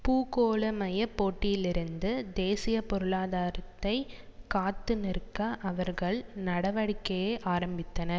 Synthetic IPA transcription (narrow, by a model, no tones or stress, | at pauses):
puːkoːɭɐmɐjɐpːoːʈːɪjɪlɪɾɯnd̪ɯd̪eːsɪjɐpɔɾɯɭaːðaːɾɐt̪ːɐɪkaːt̪ːɯnɪɾkːɐʔɐʋɐɾɣɐɭnɐɽɐʋɐɽɪkːɐjeːʔaːɾɐmbɪt̪ːɐnɐɾ